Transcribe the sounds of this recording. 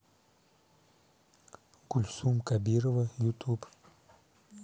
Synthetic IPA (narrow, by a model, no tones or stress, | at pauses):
kʊlʲsumkabʲiɾəvəjut̪up